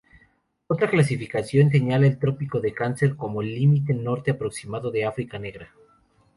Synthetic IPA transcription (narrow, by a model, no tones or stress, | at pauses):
o̞t̪ɾaklas̬ifikasjo̞ns̬e̞ɲalaelt̪ɾo̞piko̞ðe̞kanse̞ɾko̞mo̞limit̪e̞no̞ɾt̪eapɾo̞ksimaðo̞ðe̞afɾikane̞ɣɾa